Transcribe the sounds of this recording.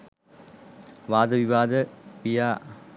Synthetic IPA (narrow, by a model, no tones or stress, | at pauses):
ʋaːd̪əʋiʋaːd̪əpijaː